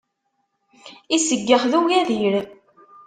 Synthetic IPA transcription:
isəɡːəχðuwjæðiɾ

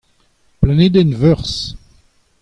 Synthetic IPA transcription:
planed̪ɛnvœʁs

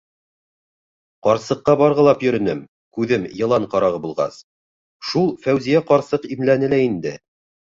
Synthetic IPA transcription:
qɑɾsɤ̆qːɑbɑɾʁɤ̆lˠɑpjɵ̆ɾɵ̆nɘm | kʉðɘmjɤ̆lˠɑɴqɑɾɑʁɤbulˠʁɑ̰s | ʃulˠfæwzijæqɑɾsɤqimlænɘlæind̪ɘ

